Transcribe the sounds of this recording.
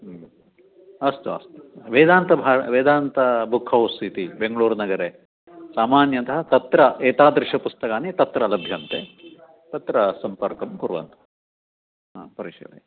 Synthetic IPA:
ɐst̪uɐ̰st̪uuʋeːd̪aːnt̪ɐbʱaːʋeːd̪aːnt̪ɐbʱukʰːɐɦust̪it̪ibeŋɡɐɭuːɾnɐɡɐɾe | saːmaːnjɐnt̪ɐɦɐt̪ɐt̪ɾɐʔeːt̪aːd̪ɾiʃɐpust̪ɐkaːnet̪ɐt̪ɾɐlɐbʱjɐnt̪e | t̪ɐt̪ɾɐsɐmpɐɾkɐmkuɾʋɐ̰nt̪u̥ | apɐɾiʂɐ̰lḛ

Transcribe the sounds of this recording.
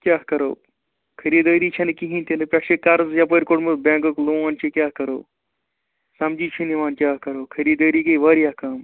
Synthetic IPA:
kʲjaːkɐɾo̰ː | kʰɐɾiːd̪əːɾit͡ʃʰɐnɨkiɦĩnt̪ʰenɨpʲɐʃʰekaɾzjapəɾʲkoʈmɨbʲẽːŋkɐkloːaːnt͡ʃʰikʲjaːkɐɾo̰ː | sɐmd͡ʒiːt͡ʃʰiniʋaːnkʲaːkɐɾoːkʰɐɾiːd̪əːɾiːkɐiʋɐːɾjaːkaːm

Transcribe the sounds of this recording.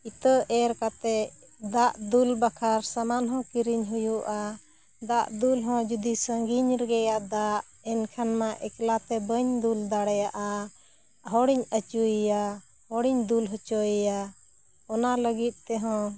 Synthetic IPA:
it̪əʔɛɾkat̪ɛ | d̪aʔd̪ulbakʰaɾsamanɦɔ̃kiɾiɲɦujuʔa | d̪aʔd̪ulɦɔ̃d͡ʒud̪isəŋɡiɲɾɛɡɛjaʔd̪aʔ | ɛnkʰanmaʔɛklat̪ɛbəɲd̪uld̪aɽɛjaʔa | ɦɔɽiɲət͡ʃuija | hɔɽiɲd̪ulɦɔt͡ʃɔjija | ɔnaləɡit̪̚ˀt̪ɛɦɔ̃

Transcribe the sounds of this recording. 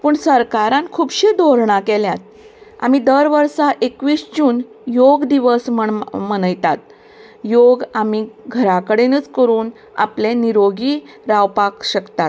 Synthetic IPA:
pəːɳsəɾkaɾãnkʰuːbɕed̪oɾɳãkeljat̪̚ | a̰mid̪əɾʋəɾsaʔekʋiːst͡ɕuːn | joɡd̪iʋəsməɳmənəjt̪at̪ | joɡamiɡʱəɾakəɽenəːt͡skəɾuːn | a̰pleniɾoɡiː | ɾawpakɕəkt̪at̪

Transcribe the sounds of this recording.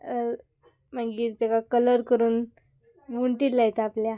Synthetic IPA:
m̤əɳɡiːɾt̪ekakələɾkəɾuːn | muɳʈilːajt̪aːplja

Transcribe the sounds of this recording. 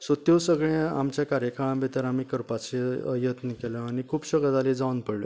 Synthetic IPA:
sot̪josəɡɭẽa̰mt͡ɕjakaɾjəkʰaɭãbʱet̪əɾamikəɾpat͡seə̰jət̪nkelə̃añikʰuːpɕəɡəd̪aled͡zaunpəɽlo̰

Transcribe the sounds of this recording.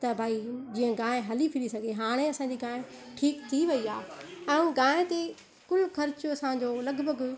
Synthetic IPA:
t̪ɐbʱaːid͡ʑiːə̃ɡãːẽɦɐlipʰɪɾisɐɡʱeɦaːɽ̃eɐsã̆ːd͡ʑiːɡãːẽ | ʈʰiːkt̪ʰiʋɐiaːɛ̃ũɡaːẽt̪e | kʊlxɐɾt͡ɕʊɐsãːɲ̆d͡ʑoːlɐɡbʱəɡ

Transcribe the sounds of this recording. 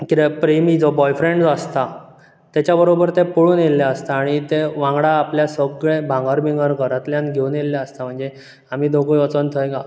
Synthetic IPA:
kiɾepɾemid͡zɔbɔjfɾẽɳɖd͡zəst̪a | t̪jat͡ɕabəɾobəɾt̪ẽpoɭuːnelːaəst̪aːɽ̃it̪eʋãŋɡɽaːpljasəɡɭẽbʱãŋɡəɾbiŋɡəɾɡəɾat̪ljãnɡʱeunelːjaəst̪am̤əɳd͡ze | am̤iːd̪oɡujət͡sənt̪ʰəeɡa

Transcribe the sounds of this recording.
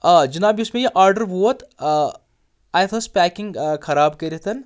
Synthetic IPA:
ad͡ʒɐnaːbiʊsmẽjeʔaːɾɖəɾʋoːt̪ | aːjt̪ʰɐspɛːkɪ̃ŋɡkʰɐɾaːb̚kɐɾet̪ʰɐn

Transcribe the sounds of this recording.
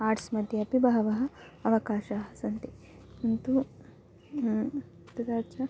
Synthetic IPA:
aːʈsmɐd̪ʱjɐɐpibɐɦɐʋɐɦɐ̆ɐʋɐkaːʃaːɦɐsɐnt̪i | unt̪u | t̪ɐd̪aːtːt͡ʃʰɐ

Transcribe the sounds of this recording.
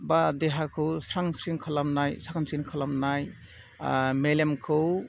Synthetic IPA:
badeɦakʰɯwsɾaŋsɾiŋkʰalamnajsakʰansinkʰalamnaj | melemkʰɯw

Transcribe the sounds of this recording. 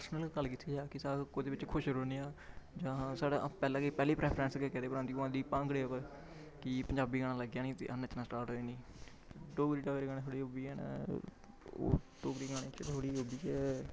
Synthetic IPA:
pəɾsnəlkəlkit̪ʰiːd͡ʒaːkɪsaːkoːd̪eːʋɪt͡ʃkʰʊʃɾoːniːãːd͡ʒãːsaːɽapɛːlãːkəiːpɛːliːpɾɛːpʰɾɛ̃nskeːkɛːd̪eːpəɾãːd̪iːãːd̪iːpãːŋɡɽeːəpə | kɪpəɲd͡ʒaːbiːɡaːɽ̃ãːləɡjãːnĩːt̪ḛːʔənət͡ʃnaːsʈaːɾʈɦoːeːnĩː | ɖoːɡɾiːʈaːeːɾeɡãːeːt̪ʰoːɽiːoːbiːɛːn̰ | o̰ːd̪oːɡɾiːɡaːɽẽːt͡ʃt̪ʰoːɽiːɦoːbiːt͡ʃɛː

